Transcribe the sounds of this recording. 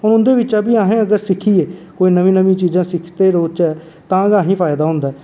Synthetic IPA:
ɦʊnʊnd̪eːʋɪt͡ʃaːbiːaːɦẽːəɡəɾsɪkʰiːeːkoːiːnəʋĩːnəʋĩːt͡ʃiːzãːsɪkʰt̪eːɾoːt͡ʃɛː | t̪ãːɡãːɦĩːpʰaːɪd̪aːɦʊ̃nd̪aː

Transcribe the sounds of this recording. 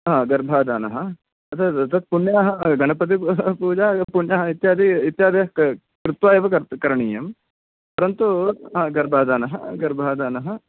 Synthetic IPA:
ɦãːɡɐɾbʱaːd̪aːnɐɦɐ | ɐt̪ʰɐɐt̪ʰɐt̪̚puɳjaːɦɐɡɐnɐpɐt̪̬ipuːd͡ʒaːpuɳjaːɦɐit̪jaːd̪ʱiit̪jaːd̪eɦɐ | kɾɪt̪ʋaːjeʋɐkɐɾkɐɾɐɳiːjɐm | pɐɾɐnt̪uãːɡɐɾbʱaːd̪aːnɐɦɐɡɐɾbʱaːd̪aːnɐɦɐ

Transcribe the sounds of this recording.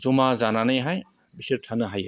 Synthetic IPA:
zumazananɯjɦaj | bisiɾʈʰanɯɦaj

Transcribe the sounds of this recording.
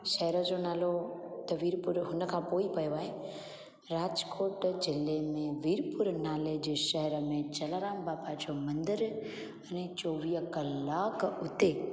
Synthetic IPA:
ʃəɦɾəd͡ʒonaːlot̪əʋiɾpʊɾɦʊnəkʰãpoːipəjʋaːe | ɾaːd͡ʒkoːʈd͡ʒɪlːemẽʋiɾpʊɾnaːled͡ʒʃəɦɛɾəmẽt͡ʃəlaɾaːmbaːpad͡ʒomə̃nd̪ɪɾ | ənet͡ʃoːʋijəkəlːaːkʊt̪e

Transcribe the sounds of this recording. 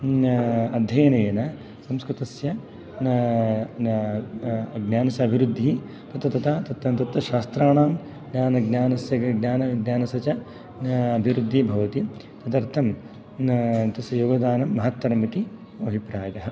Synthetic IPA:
ɐd̪ʱjɐjɐnɐjɐnɐ | sɐmskɾut̪ɐsjɐ | ɡnaːnɐsɐɐbʱiɾud̪ʱːi | t̪ɐt̪ɐt̪ɐt̪ʰat̪ɐt̪ːɐt̪ɐt̪ʋɐʃaːst̪ɾaːɳaːm | ɡnaːnɐɡnaːnɐsjɐɐɡnaːnɐɡnaːnɐsɐt͡ʃɐ | ɐbʱiɾud̪ʱːibʱɐʋɐt̪i | t̪ɐt̪ɐɾt̪ʰɐm | t̪ɐsɐjoːɡɐd̪aːnɐmːɐɦɐt̪ʋɐɾɐmit̪i | ʋɐbipɾaːjɐɦɐ

